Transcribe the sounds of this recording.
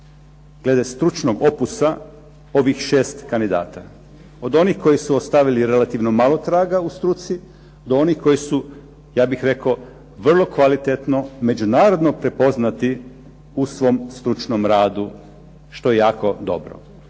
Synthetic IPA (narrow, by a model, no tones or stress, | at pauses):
ɡ̥le̞d̪est̪ɾut͡ʃnoɡo̞pusa | o̞ʋixʃe̞ːst̪kand̪id̪a̰ːt̪a̰ | o̞d̪o̞nixko̞jisuost̪aʋiliɾe̞lat̪iʋno̞malˠo̞t̪ɾaːɡaust̪ɾut̪si | d̪oonixko̞jisu | jaːbixɾe̞ko | ʋr̩lˠo̞kʋalit̪et̪no̞me̞d͡ʒunaːɾo̞d̪no̞pɾe̞po̞znat̪i | usʋo̞mst̪ɾut͡ʃno̞mɾaːd̪u | ʃt̪o̞jejaːko̞d̪o̞̰bɾo̞̰